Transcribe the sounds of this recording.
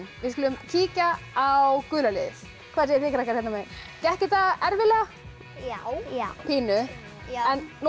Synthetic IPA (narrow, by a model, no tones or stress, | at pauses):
nvɪskʏlʏmcʰiːca | awkʏːlalɪ̰ðɪθ | kʰvaːðsɛɛfɪːkɾahkaɾθɛt̪namɛn | cɛhcɪt̪aɛɾvɪla | pʰiːnʏ | ɛnː